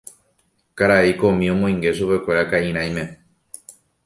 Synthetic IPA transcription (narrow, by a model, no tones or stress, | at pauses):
kaɾaiko̞mĩõ̞mõj̃ŋɡe̞ʃupe̞kʷe̞ɾakaĩɾ̃ãj̃mẽ̞